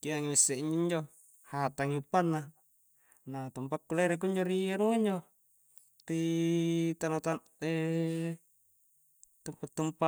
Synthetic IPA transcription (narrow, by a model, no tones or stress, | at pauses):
kiaŋimisːeiɲd͡ʒiɲd͡ʒo | hat̪aŋiupːanːa | nat̪umpakːuleɾek̬uɲd͡ʒoɾianuaiɲd͡ʒo | ri | t̪anat̪an | e | t̪umpat̪ːumpa